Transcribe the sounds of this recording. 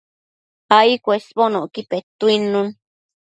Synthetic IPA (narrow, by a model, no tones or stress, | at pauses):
aikʷesponõʔkipet̪uinũn